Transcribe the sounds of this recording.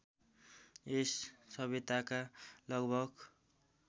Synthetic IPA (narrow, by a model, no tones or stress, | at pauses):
esːʌbit̪akalʌɡbʱʌɡ